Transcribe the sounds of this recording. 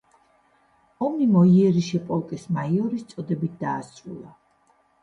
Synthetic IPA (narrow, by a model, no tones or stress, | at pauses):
ɔmnimɔiɛɾiʃɛpʼɔlˠkʼismaiɔɾist̪sʼɔd̪ɛbit̪̚ʰd̪aːsʼɾṵlˠa